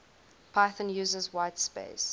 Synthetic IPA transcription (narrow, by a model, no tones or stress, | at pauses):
pʰaɪθə̃njʉːzəzwaɪtspḛɪs